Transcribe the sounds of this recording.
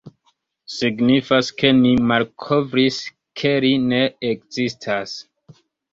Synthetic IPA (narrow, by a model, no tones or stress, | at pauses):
siɡnifaske̞nimalkʰo̞vɾis | kʰeɾine̞ekzistʰas